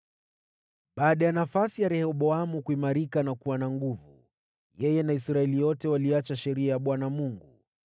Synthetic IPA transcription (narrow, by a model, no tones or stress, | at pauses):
ɓaːɗajanafasijaɾɛhɔɓɔamukuimaɾikanakuwanaŋɡuvu | jɛjɛnaisɾaɛlijɔtɛwaliat͡ʃaʃɛɾiajaɓwanamuŋɡu